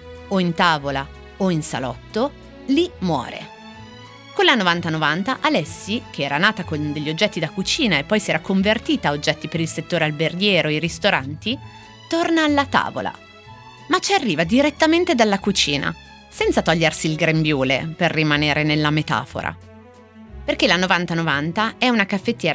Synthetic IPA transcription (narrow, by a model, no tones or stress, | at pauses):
oint̪aːvola | oinsa̰lɔ̰t̪ːo | limwɔ̰ːɾḛ | konlanːovant̪anovant̪aʔalɛsːikʰeɛːɾanaːt̪akond̪eʎːiod͡ʒːɛt̪ːid̪akut͡ʃiːnaepːɔjsiɛːɾakoɱvert̪iːt̪aod͡ʒːɛt̪ːipeɾilset̪ːoːɾealberɡjɛːɾoiɾist̪oɾa̰nt̪i | t̪ornaːlːat̪a̰ːvo̰la̰ | mat͡ʃiarːiːvad̪iɾet̪ːament̪ed̪alːakut͡ʃiːna̰ | sɛnt̪sat̪ɔʎːersiːlɡɾembjuːlḛperːimaneːɾʔenelːamet̪a̰ːfo̰ɾa̰ | perk̟elanovant̪anovant̪aɛunakafːet̪ːjɛː